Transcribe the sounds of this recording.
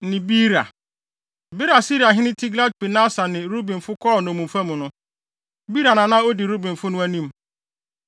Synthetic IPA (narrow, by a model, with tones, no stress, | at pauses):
nɪ̃˨bi˦ɾa̰˨ | bɪ˦ɾa˨si˦ɾi˨a˨ɦɪ̃˦nɪ̃˦tʰi˦ɡla˦d̚pi˨nã˦sa˨nɪ̃˨ɾu˦bĩ˨m˨fʊ˦kʰɔː˦˨nʊ̃˨mũ˨fa˦mũ˨nʊ̃˦ | bi˦ɾa˨nã˨nã˦o˦di˨ɾu˦bĩ˨ɱ̩˨fʊ˦nʊ̃˦æ˦nĩ˦m